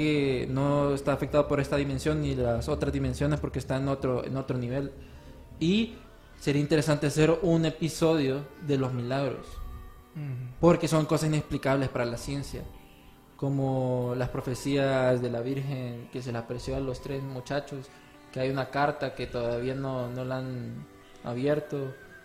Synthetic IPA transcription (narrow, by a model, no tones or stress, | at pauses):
eno̞est̪aːfek̚t̪aðo̞po̞ɾe̞st̪aðime̞nsjo̞nːilaso̞t̪ɾazðime̞nsjo̞ne̞spo̞ɾkeːst̪aenot̪ɾoḛno̞t̪ɾo̞niβ̞e̞l | i | se̞ɾiaint̪eɾe̞sant̪e̞ase̞ɾune̞piso̞ðjo̞ðe̞lo̞zmilaɣɾo̞̰s | po̞ɾke̞so̞ŋko̞sasine̞ksplikaβle̞spaɾalasje̞nsja̰ | ko̞molaspɾo̞fe̞siazðe̞laβiɾxe̞nke̞s̬e̞lasapɾesjo̞alo̞st̪ɾe̞zmut͡ʃat͡ʃo̞s | ke̞ajunakaɾt̪ake̞t̪o̞ðaβianono̞lan | a̰βje̞ɾt̪o̞